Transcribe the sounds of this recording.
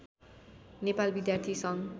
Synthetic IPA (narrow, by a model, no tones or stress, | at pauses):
nepalbid̪jart̪ʰisʌŋ